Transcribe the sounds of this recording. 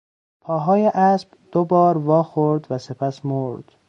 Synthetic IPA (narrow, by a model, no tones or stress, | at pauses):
pʰɒːɦɒːjeʔæsb̥d̪̥obɒːɾvɒːxoɾd̪væse̞pʰæsmoɾd̪̥